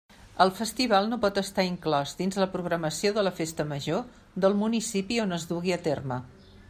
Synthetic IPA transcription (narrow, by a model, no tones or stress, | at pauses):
əlˠfəst̪iβ̞alˠnopɔt̪əst̪aiŋklɔzd̪inzləpɾuɣ̞ɾəməsioðələfest̪əməʒo | ðəlˠmunisipionəzduɣiət̪ermə